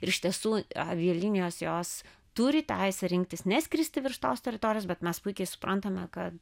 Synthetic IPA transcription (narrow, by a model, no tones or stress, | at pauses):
ɪɾɪʃt̪ʲiɛsuːɐ̰ʋʲiɛlʲinʲɪjoːsjoːs | t̪uɾʲɪt̪ʲɛɪsʲɛɾʲɪŋkt̪ʲɪsnʲɛsʲkʲɾʲisʲt̪ʲɪʋʲɪrʃt̪oːst̪ʲɛɾʲɪt̪oːɾʲɪjoːsbʲɛt̪mʲɛspʊɪkʲɛɪsʊ̥prʔɐnt̪ɐmʲɛkɐt̪